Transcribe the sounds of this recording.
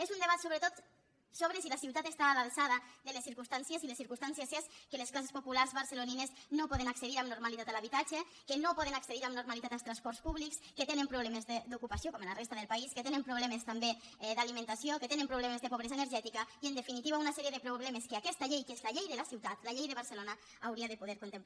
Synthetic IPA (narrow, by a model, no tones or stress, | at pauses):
ezund̪əβ̞at̪soβɾət̪ot̪ | soβɾesilasiwt̪at̪est̪aβaβansaðaðəlesːiɾkust̪ansjezilesiɾkũst̪ansieseskəleskasespopulaɾzβaɾselonineznopɔðənaksəðiɾamnuɾmalit̪at̪alaβit̪ad͡ʒe | kənopɔðenakseðiɾamnuɾmalit̪at̪alˠst̪ɾanspɔɾspuβlikskət̪enẽmpɾuβ̞lɛmezðəd̪ukupasiokɔməlarest̪aðəlˠpaisket̪enə̃mpɾuβlɛmest̪ambed̪alimẽnt̪asioket̪enə̃mpɾuβ̞lɛmezðəpoβɾezaeneɾʒɛt̪ikaiənd̪efinit̪iβaunasɛɾieðepɾuβlɛmeskəakɛst̪aʎejkezlaʎejðəlasiwt̪at̪laʎejðəβaɾsəlona | awɾiaðəpuðɛɾkunt̪emp